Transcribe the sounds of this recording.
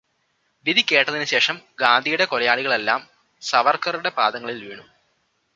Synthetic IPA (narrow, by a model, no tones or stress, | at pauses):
ʋid̪ʱikʲːe̞ːʈːɐðinɨɕe̞ːʂɐmɡaːnd̪ʱijuɽe̞kolɐjaːɭiɣɐɭe̞lːaːm | sɐʋɐrkɐruɽe̞pa̰ːd̪ɐŋːɐɭilʋeːɳu